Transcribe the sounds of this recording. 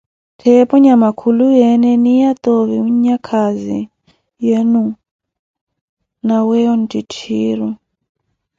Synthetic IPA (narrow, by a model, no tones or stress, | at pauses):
tʰɛpɔɲamakʰulujɛnɛnijat̪ʼoβiuɲakʰazḭ | jɛnu | nawɛɔn̩tʼitʰiːɾɔ